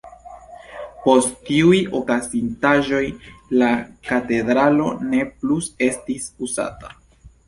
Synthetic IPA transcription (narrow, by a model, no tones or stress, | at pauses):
po̞sttiujo̞kazintaʒo̞jlakate̞dɾalo̞̰ne̞pluse̞stisuza̰tḁ